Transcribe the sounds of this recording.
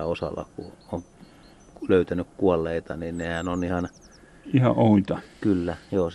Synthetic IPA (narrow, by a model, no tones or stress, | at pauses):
æosɑ̰lːɑ̰kṵoŋ | løyt̪ænykkuolːeit̪ɑninnehænonihɑn | ihɑ̰ʔʔoit̪ɑkylːæjoː